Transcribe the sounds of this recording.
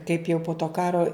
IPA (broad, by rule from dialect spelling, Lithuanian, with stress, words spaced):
kɐɪp jɛʊ poː toː ˈkɑːroː